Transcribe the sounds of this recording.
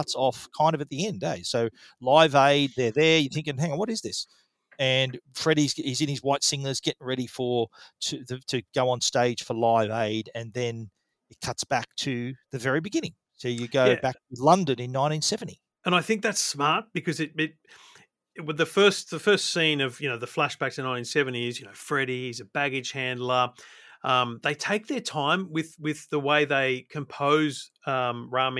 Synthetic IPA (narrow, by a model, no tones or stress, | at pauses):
kʰʌtsɔfkʰãɪ̃ndʌvɨt̪̚ðiɛ̃ndeɪ̥soʊ | laɪveɪd̪̚ðə˞ðə˞jɨθɪ̃ŋkɨ̃nɦæ̃ŋwʌɾɨzðɪs | ɨ̃nfɹɛɾizɪzɨ̃nɨzwaɪtsɪ̃ŋlˠə˞zɡɛɾɪ̃ŋɹɛɾifə˞ɾʰɨðɨɾɨɡ̥oʊə̃nsteɪd̥ʒ̥fə˞laɪveɪɾɨ̃nðɨ̃n | ɨt̚kʰʌtsb̥æk̚tʰɨðɨvɛɹibɨɡɪ̃nɪ̰̃ŋ | soʊjɨɡoʊbæk̚tʰɨlʌ̃ndɨ̃nɨ̃nːãɪ̃ñtĩnsɛvn̩ti | ɨ̃ñaɪθɪ̃ŋk̚ðætsmɑɹt̚b̥ɨkʰʌzɨt̚ɪt̚ | wɨðɨfɜ˞st̚ðɨfɜ˞stsĩnʌvjɨnoʊðɨflæʃb̥æk̚sɨnãɪ̃ntĩnsɛvɨ̃n̩tiɪzjɨnoʊfɹɛɾiɨzɨbæɡɨdʒ̥hæ̃ndˡlə˞ʌ̃mðeɪtʰeɪk̚ðə˞tʰãɪ̃mwɪðwɪðəweɪðeɪkʰɨ̃mpʰoʊz̥ | ʌ̃mɹɑm̃